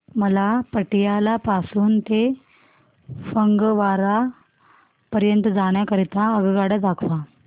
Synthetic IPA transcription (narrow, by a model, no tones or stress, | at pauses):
məlapəʈijalapasuːnt̪e | fəŋɡʋaɾa | pəɾjənt̪əd͡zaɽ̃jakəɾit̪aəɡɡaɽad̪akʰʋa